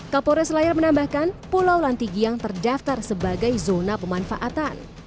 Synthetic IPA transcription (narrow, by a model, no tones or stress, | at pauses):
kapoɾɛslaɪrmənambahkanpulawlant̪iɡijaŋt̪ərdaft̪arsəbaɡajzonapəmanfa̰ʔat̪an